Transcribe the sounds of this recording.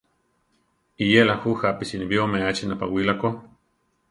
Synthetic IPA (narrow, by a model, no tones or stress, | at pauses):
ijelahuhapisinibiomeat͡ʃinapa̰wilako